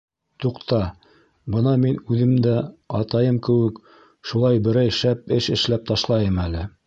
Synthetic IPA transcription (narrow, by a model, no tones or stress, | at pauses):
t̪uqt̪ɑ | bɤnɑminʉðɘ̆md̪æɑt̪ɑjɤmkɘ̆wɘk | ʃulˠɑjbɘ̆ɾæjʃæp̚ɘʃɘ̆ʃlæp̚t̪ɑʃlˠɑjɤmælɘ